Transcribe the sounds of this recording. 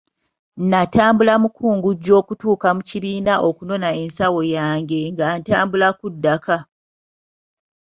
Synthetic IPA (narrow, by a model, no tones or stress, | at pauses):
nːataːmbulamukuːŋɡuɟːo̞ːkutuːkamuciβiːnaʔo̞kuno̞nae̞nsawo̞jaːŋɡe̞ŋɡantaːmbulakudːaka